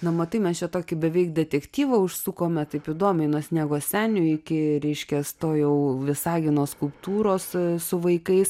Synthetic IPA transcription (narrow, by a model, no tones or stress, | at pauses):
nɐmɐt̪ɐɪmʲɛst͡ʃʲɛt̪oːkʲɪbʲɛʋʲɛɪk̚d̪ʲɛt̪ʲɛkt̪ʲiːʋɐʊʃsuːkoːmʲɛt̪ɐɪpiːd̪oːmʲɛɪnoːsʲnʲæːɡoːsʲæːnʲʊɪkʲɪɾʲɛɪʃʲkʲɛst̪oːjɛʊʋʲɪsɑːɡʲɪnoːskʊlˠpt̪uːɾoːssʊʋɐɪkɐɪs